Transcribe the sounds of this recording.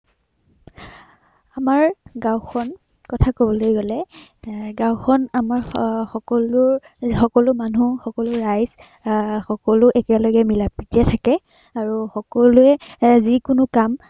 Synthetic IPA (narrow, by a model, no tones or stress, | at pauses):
amaɹɡãwxɔn | kɔtʰakobɔlojɡɔlɛ | ɡãwxɔnamaɹxɔkɔlʊɹ | xɔkɔlʊmanuxɔkɔlʊɹajz | xɔkɔlʊʔɛkɛlɔɡɛmilapɹitiɛtʰakɛ | aɹuxɔkɔlʊɛzikʊnʊkam